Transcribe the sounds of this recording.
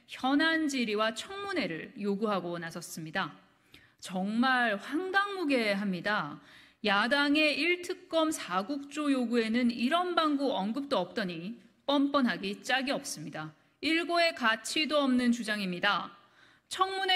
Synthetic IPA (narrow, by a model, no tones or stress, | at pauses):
çjʌnand͡ʑiɾiwat͡ɕʰʌŋmune̞ɾɯɭjoɡuɦaɡonasʰʌs͈ɯmɲida | t͡ɕʌŋmaɭɸwaŋdaŋmuɡe̞ɦamɲida | jadaŋe̞ʔiɭtʰɯk̚k͈ʌmsʰaɡuk̚t͡ɕ͈ojoɡue̞nɯniɾʌnbaŋɡuʌŋɡɯp̚t͈oʌp̚t͈ʌɲi | p͈ʌmp͈ʌnɦaɡit͡ɕ͈aɡiʌp̚s͈ɯmɲida | iɭɡoe̞kat͡ɕʰidoʌmnɯnt͡ɕud͡ʑaŋimɲida | t͡ɕʰʌŋmune